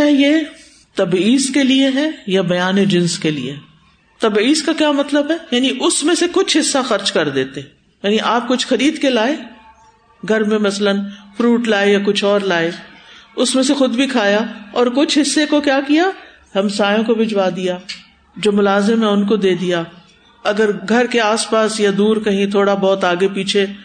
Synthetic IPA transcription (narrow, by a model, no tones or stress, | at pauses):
ɛjeː | t̪ɐbiːskelieɦɛ̃jabɐjaːned͡ʒɪ̃nskelḭḛɦɛ | t̪ɐbiːskakjaːmɐt̪ləbɦɛjaːniʔʊsmẽsekʊt͡ʃʰɦɪsːaxɐɾt͡ʃkɐɾd̪eːt̪eɦɛ̃ | jjaːniʔaːp̚kʊt͡ʃʰxɐɾiːd̪kelaːe | ɡʱɐɾmẽmɐslənfɾuːʈlaːejakʊt͡ʃʰɔːɾlaːeʊsmẽsexʊd̪bʱikʰaːjaɔːɾkʊt͡ʃʰɦɪsːekokjaːkija | ɦɐmsaːjõkobʱɪd͡ʒwaːd̪ijaː | d͡ʒoːmʊlaːzɪmɦɛ̃ʊnkod̪eːd̪ija | ɐɡəɾɡʱɐɾkeaːspaːsjad̪uːɾkɐɦĩt̪ʰoːɽabɔːt̪aːɡepiːt͡ʃʰe